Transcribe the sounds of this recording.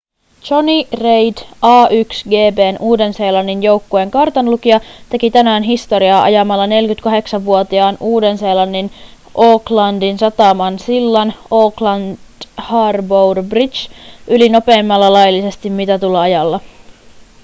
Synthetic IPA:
t͡ʃonirejdɑːʔyksɡe̞ːbe̞ːnʔuːde̞nse̞ːlɑnːinjo̞wkːoeŋkɑrt̪ɑnlukiɑt̪e̞kit̪ænæːnɦist̪o̞ɾiɑːʔɑ̰jɑmɑlːɑne̞lkyt̪kɑɦe̞ksɑʋʋuot̪iɑːnuːde̞nse̞ːlɑnːin | ʔo̞ːklɑndinsɑt̪ɑːmɑnsilːɑno̞ːklɑnd̥hɑːrbowrbrit͡ʃʔylino̞pe̞ːmːɑlːɑlɑjlːise̞st̪immit̪æt̪uleɑjɑlːɑ

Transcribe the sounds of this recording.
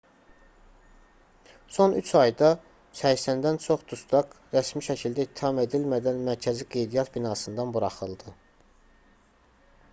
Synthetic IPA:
sonyt͡ʃʰɑjd̪ɑ | sæçsænd̪ænt͡ʃʰoχd̪ust̪ɑɡɾæsmiʃæcʰild̪æit̪ʰːihɑme̞d̪ilmæd̪ænmæɾcʰæziɡe̞jd̪ijɑt̪binɑːsɯnd̪ɑnbuɾɑχɯlˠd̪ɯ

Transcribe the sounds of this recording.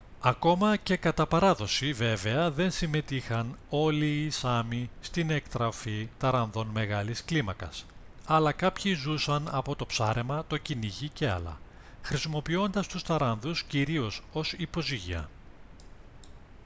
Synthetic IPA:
ɐko̞mɐce̞kɐt̪ɐpɐɾɐðo̞sive̞ve̞ɐðe̞nsime̞t̪ixɐno̞liːsɐmist̪ine̞kt̪ɾɐfit̪ɐɾɐnðo̞nme̞ɣɐlisklimɐkɐ̰s | ɐlɐkɐpçizusɐnɐpo̞t̪o̞psɐɾe̞mɐt̪o̞ciniʝice̞ɐ̰lɐ̰ | xɾisimo̞pio̞nd̪ɐst̪ust̪ɐɾɐnðusciɾio̞so̞sipo̞ziʝḭɐ̰

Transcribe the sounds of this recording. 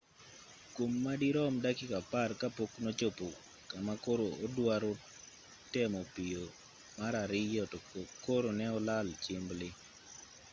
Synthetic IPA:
kwomːadiɾɔmdakɪkaparkapoknot͡ʃopo | kamakoɾoodwaɾo | tɛmɔpijo | maɾaɾɪjɔtkoɾonɛɔlalt͡ʃɪmblɪ

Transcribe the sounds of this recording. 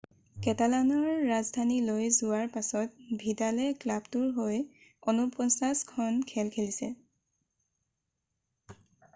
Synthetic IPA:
kɛtalanɔɹːazdʱanilojzʊwaɹpasɔt̚bʱidalɛklabtuɹɦoj | onupɔnsaskʰɔnkʰɛlkʰelisɛ

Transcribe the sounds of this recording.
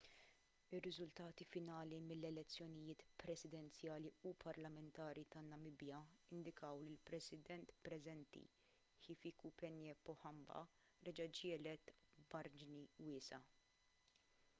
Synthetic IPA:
ɪrːɪzʊlt̪ɐːt̪ifɪnɐːlimɪlːɛlɛt͡sːjɔnɪjɪːt̪pɾɛsɪd̪ɛnt͡sjɐːliupʰɐɾlɐmɛnt̪ɐːɾit̪ɐnːɐmɪbjɐɪnd̪ɪkɐwlilpɾɛsɪd̪ɛnt̪pɾɛzɛnt̪ḭ | kiːfiːkupɛnjɛːpːɔħɐmbɐ̰ | ɾɛd͡ʒɐd͡ʒɪːlɛt̪bɐɾd͡ʒɪniwɪːsɐ

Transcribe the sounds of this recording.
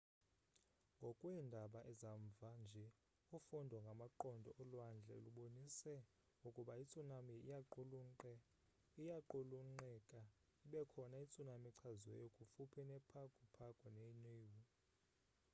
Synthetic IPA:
ŋɡʱokʼwɛndʱaɓaʔɛzaɱvʱand͡ʒʱɛ | ufundʱwɔŋɡʱamaǃɔndʱɔ̰ʔɔlwand͡ɮʱɛ̰luɓonisɛ | ŋɡʱukʼuɓait͡sʼunamiau | ijaǃoluŋ͡ǃɛkʼa | iɓɛkʰɔnait͡sʼunamiǀʰazwɛ̰jokʼufupʰinɛpʰakʼupʰakʼɔneiniːwu

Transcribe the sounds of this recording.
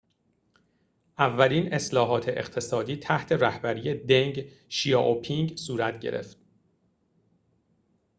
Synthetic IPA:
ʔævːæliːne̞slɒːɦɒːt̪ʰe̞ʔḛqt̪ʰe̞sɒːd̪iːt̪ʰæht̪ʰe̞ræhbæɾiːjed̪eŋɡ | ʃijɒːʔopʰiŋɡsuːɾæt̪ʰɟe̞̰ɾḛft̪̚

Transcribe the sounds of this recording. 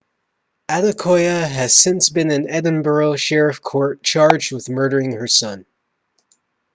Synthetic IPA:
æɾɨkʰɔɪɨɨz̥sɪ̃nsb̥ɨ̃nɨ̃nɛdⁿn̩bə˞lˠʃɛɹɨfkʰɔɹt̚t͡ʃʰɑɹd͡ʒd̚wɨðmɜ˞ɾə˞ɪ̃ŋə˞sʌ̃n

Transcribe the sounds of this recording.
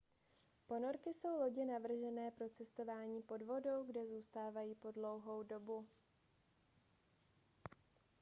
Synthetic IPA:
po̞no̞ɾkɪso̞wlo̞ɟɛnavr̩ʒɛnɛːpɾo̞t͡sɛst̪o̞vaːɲiːpo̞dvo̞do̞wɡdɛzuːst̪aːvajiːpo̞dlo̞wɦo̞wdo̞bu

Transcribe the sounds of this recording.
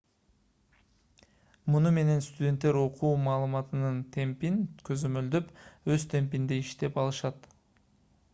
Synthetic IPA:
munume̞ne̞nst̪udʲe̞nt̪ːe̞ɾo̞qʰuːmɑːlˠɯmɑt̪ɯnɯnt̪ʰe̞mpinkøzømø̞ld̪øpø̞zt̪ʰe̞mp̬ind̪iiʃt̪e̞pɑlˠɯʃɑt̪

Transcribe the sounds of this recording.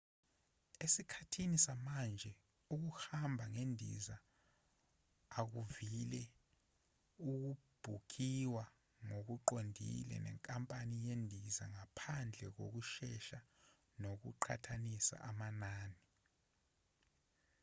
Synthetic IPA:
esikʰatʰinisamand͡ʒʱɛ | uk̬uhambʱaŋendʱḭza | k̬uvilɛ | uk̬ub̥ʱukiwa | ŋok̬uǃondʱḭlɛ̰nɛ̰ŋkʼampʼanijendʱizaŋapʰand͡ɮʱɛk̬ok̬uʃɛʃa | nok̬uǃʰa̰tʰanisa̰ʔamanaːni

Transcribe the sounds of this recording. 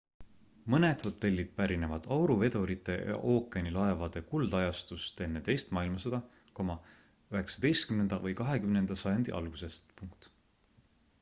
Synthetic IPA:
mɤne̞d̪̥ho̞t̪ːˑe̞lʲːid̪̥̚pæɾine̞vɑd̪̥ɑwɾuve̞d̪̥o̞ɾit̪ːˑe̞̰jɑ̰ʔoːkːˑenilɑe̞vɑd̪̥e̞kuld̪̥ɑjɑst̪ust̪e̞nːe̞t̪e̞jst̪mɑːilmɑsɑd̪̥ɑ | ko̞mɑ | øɦe̞ksɑd̪̥e̞jst̪̚kymnend̪̥ɑvɤjkɑɦe̞kymnend̪̥ɑsɑjɑnd̪̥iʔɑ̰lɡ̥use̞st̪puŋkt̪

